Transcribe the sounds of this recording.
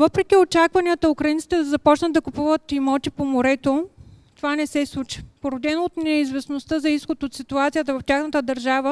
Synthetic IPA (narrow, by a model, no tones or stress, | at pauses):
vəpɾɛk̟ʲiot͡ʃakvɐniət̪əukɾɐint̪i̥t̪ɛd̪ɐzɐpɔt͡ʃnəd̪̚d̪ɐkʊpuvət̪imɔt̪ipomoɾɛt̪ot̪ovanɛsɛslˠut͡ʃi̥poɾod̪ɛnot̪nɛizvɛsnost̪əzɐisxot̪ot̪sit̪uat̪sijət̪əvɐft̪ʲaxnət̪əd̪ɐɾʒavə